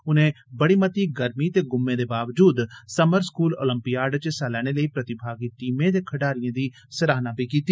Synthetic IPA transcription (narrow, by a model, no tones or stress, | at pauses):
ʊnẽː | bəɽiːmət̪iːɡəɾmiːt̪eːɡʊmːẽːd̪eːbaːʋd͡ʒuːd̪səməɾskuːlo̰ːləmpijaːɾɖt͡ʃsalɛːɽ̃eːləiːpɾət̪ɪbʱaːɡiːʈiːmẽːd̪eːkʰəɖaːɾɪjãːd̪iː | səɾaːnãːbʱiːkiːt̪i